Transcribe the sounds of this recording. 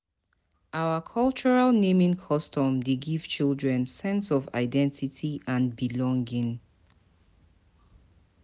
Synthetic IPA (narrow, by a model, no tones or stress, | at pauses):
awəkʰɔlˠt͡ʃɔɹalnẽmĩŋkʰɔstɔ̃mdeɡiv̥t͡ʃilˠdɹɛ̃nsɛ̃nsɔva̰ɪdɛ̃ntitʰiʔãnbilɔ̃ŋɡĩŋ